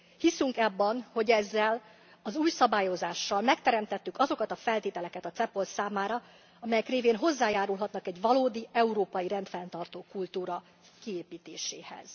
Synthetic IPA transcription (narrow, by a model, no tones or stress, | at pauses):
hisyŋkɛbːɒnho̞ɟɛzːɛl | ɒzuːjsɒbaːjo̞zaːʃːɒlmɛkt̪ɛɾɛmt̪ɛt̪ːykɒzo̞kɒt̪ɒfɛlt̪eːt̪ɛlɛkɛt̪ɒt̪sɛpo̞lt̪saːmaːɾɒ | ɒmɛjɛkreːveːnɦo̞zːaːjaːɾulɦɒt̪nɒkɛɟʋɒloːd̪iɛuɾoːpɒjiɾɛnt̪fɛnt̪ɒrt̪oːkult̪uːɾɒ | kieːpiːt̪eːʃeːhɛ̰z̥